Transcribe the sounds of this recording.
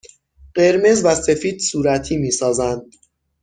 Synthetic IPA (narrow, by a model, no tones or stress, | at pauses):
ɢe̞ɾme̞zvæse̞fiːd̪̥suːɾæt̪ʰiːmiːsɒːzænd̪̥̚